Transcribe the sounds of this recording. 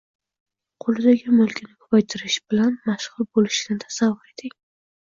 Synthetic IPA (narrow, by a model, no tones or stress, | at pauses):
qʰolˠɪd̪aɡʲɪmʊlˠkʲʰɪnɪkʰʊ̥pajt̪ʰɪɾɪʃbɪlanmaʃʁʊlˠbolɪʃɪd̪ɪt̪ʰḁsavːʊɾet̪ʰɪkʲ